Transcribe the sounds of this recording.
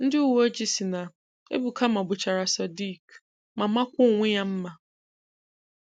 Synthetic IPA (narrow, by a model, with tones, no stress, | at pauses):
n̩˦dɪ˦o˦d͡ʑi˦si˨nã˨ | ḛ˦bu˨kʰa˦mã˨bʊ˨t͡ɕʰa˨ɾa˨sa˨di˦˨k | mã˨mã˦kʷʊ˦˨wʷɪ̃˦jã˦m̩˦mã˨